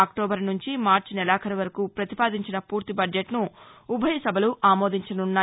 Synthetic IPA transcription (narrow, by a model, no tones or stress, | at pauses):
aːkʈɔːbɐɾnuɲt͡ʃimaːɾt͡ʃnɛlaːkʰɐɾɐʋɐɾɐkuːpɾɐt̪ipaːd̪iɲt͡ʃinɐpuːɾt̪ibɐɖjeʈnuːbʱɐjɐsɐbʱɐluʔaːmoːd̪ʱiɲt͡ʃɐnunːaː